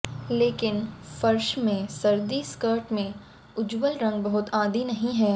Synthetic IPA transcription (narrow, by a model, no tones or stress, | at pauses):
leːkɪnfɐɾʃmẽsɐɾd̪iskəːɾʈmẽ | ʊd͡ʒwəlɾɐ̃ŋɡ̚bɐɦʊt̪aːd̪inɐɦĩɦɛː